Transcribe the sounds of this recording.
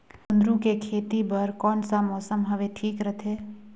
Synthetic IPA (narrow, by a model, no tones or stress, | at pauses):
ʊ̃nd̪ɾũkekʰeːt̪ibɐɾkɔːnsamɔːsəmɦɐʋeʈʰiːkɾət̪ʰeː